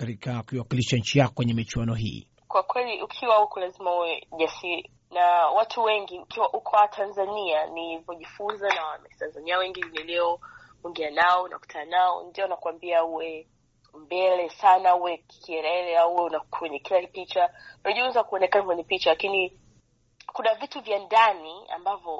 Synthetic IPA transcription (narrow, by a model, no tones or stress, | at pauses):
kaɾikakuiwakiliʃaɲ̩t͡ʃijaɔkwɛɲɛmit͡ʃuwanɔɦḭː | kwakwɛliʔukʰiwahukɔlazimauwɛʄasiɾi | nawatʰuwɛŋɡiukiwaʔukʰɔwatʰanzanianivɔʄifunzanawamɛtanzaniawɛŋɡinilɛɔ | uŋɡianaɔunʔa̰ku̥tʰananaɔ̰ndiɔunakwambiauwɛ | mbɛlɛsanauwɛki̥kiɛɾɛlɛauwɛunakʰwɛɲɛkilakipit͡ʃaunaʄiunzakuɔnɛkanakwɛɲɛpit͡ʃalakini | kunavituvjandania̰mbavjɔ